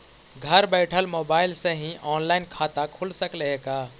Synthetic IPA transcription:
ɡʱəɾbɛɪʈʰəlmoːbaːɪlsẽɦĩʔɔːnlaɪnkʰat̪akʰulsəkleɦeka

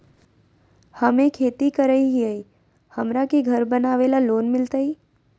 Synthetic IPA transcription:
həmẽkʰeːt̪ikəɾəiɦiəi | həmɾakiɡʱəɾbənaːʋeːlaloːnmɪlt̪ai

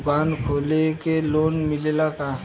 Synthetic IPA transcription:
kaːnkʰoːlekeloːnmɪlelakaɦ

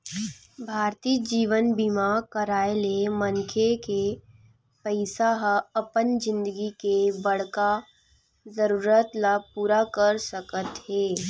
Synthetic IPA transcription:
bʱaːɾt̪iːd͡ʒiːʋənbimakəɾaːelemɐ̃nkʰeke | pəɪsaɦɐpənd͡ʒɪ̃nd̪əɡikebɐɽ̤ka | zəɾuːɾət̪lapuːɾakəɾsəkət̪hɛː

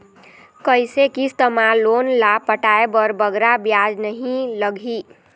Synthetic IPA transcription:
kəjsekist̪əmalonlapəʈaebəɾbəɡɾabjad͡ʒnəɦĩləɡʱi

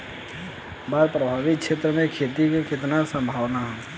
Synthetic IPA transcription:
baːd̪pɾəbʱaːʋɪkʃʰeːt̪ɾəmẽkʰeːt̪ikekɪt̪nasə̃mbʱaːʋnaɦɛː

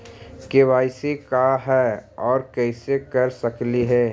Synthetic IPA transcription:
kewaːɪsekaɦɛːɔːɾkɛɪsekɐɾsəkliɦɛː

